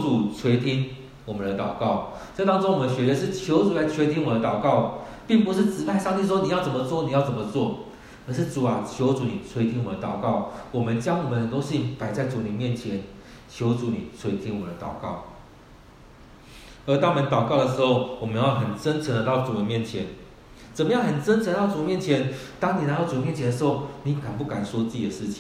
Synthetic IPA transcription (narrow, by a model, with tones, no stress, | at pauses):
t͡su˨˩t͡sʰwe˧˥ɪt̪ʰi˦˥ŋ | wɔ˨˩mə˦nd̪ə˧t̪ɑ˨˩ʊkɑ˥˩˨ʊt͡sa˥˩ɪt̪ɑ˥ŋt͡so˥ŋwɔ˨mə˧˦nɕɥɛ˧˥d̪ə˧ʂ̬ɻ̩˥˩t͡ɕʰjo˧˦˥ʊt͡su˨˩la˧˥ɪt͡sʰwɛ˧˥ɪt̪ʰi˥nwɔ˨˩d̪ə˦t̪ɑ˨˩ʊkɑ˥˨ʊpi˥˩ŋpu˧˦ʂɻ̩˥˩t͡sɻ̩˧˥pʰa˥˧ɪʂɑ˥˧ŋt̪ʰi˥˩ʂ̬wɔ˥ni˨jɑ˥˩ʊt͡sə˨˩nmə˦t͡swɔ˥˩ni˨jɑ˥˩ʊt͡sə˨˩nmə˦t͡swɔ˥˩ | ə˨˦ʂ̬ɻ̩˥˩t͡su˨˩a˨˦t͡ɕʰjo˧˥ʊt͡su˨˧˦ni˨˩t͡sʰwe˧˥ɪt̪ʰi˥ŋwɔ˨˩d̪ə˦t̪ɑ˨˩ʊkɑ˥˩ʊwɔ˨˩mə˦nt͡ɕjɑ˥ŋwɔ˨˩mə˨˦nə˨˩t̪o˥ŋɕi˥˩˦ŋpa˨˩ɪt͡sa˥˩ɪt͡su˨ni˨˩mjɛ˥˨nt͡ɕʰjɛ˨˦n | t͡ɕʰjo˧˥ʊt͡su˨˧˦nḭ˨˩t͡sʰwe˧˥ɪt̪ʰi˧˥ŋwɔ˨˩əd̪ə˦t̪ɑ̰˨˩ʊkɑ˥˩ʊ | ə˧˥t̪ɑ˥ŋwɔ˨mə˧˦nt̪ɑ˨˩ʊkɑ˥˩ʊd̪ə˩ʂɻ̩˧˥xo˥˧ʊwɔ˨˩mə˦njɑ˥˩ɦə˨˩nt͡sə˦nt͡sʰə˧˥nd̪ə˧t̪ɑ˥˩ʊt͡su˨˩ə˦nmjɛ˥˩nt͡ɕʰjɛ˨˦n | t͡sə˨˩nmə˦jɑ˥˩hə˨˩nt͡sə˥˦nʈ͡ʂʰə˧˦ət̪ɑ˥˩ʊt͡su˨˩˨mjɛ˥˩nt͡ɕʰjɛ˧˦nt̪ɑ˥ŋni˨˩na˧˥˦t̪ɑ˥˩ʊt͡su˨˩˨mjɛ˥˩t͡ɕʰjɛ˧d̪ə˧ʂ̩˧xo˥˩ʊni˨˦ka˨˩npu˥˩ka˨˩nswɔ˥t͡sɨ˥˩t͡ɕi˨d̪ə˨˩ʂɻ̩˥˩t͡ɕʰi̥˨˩ŋ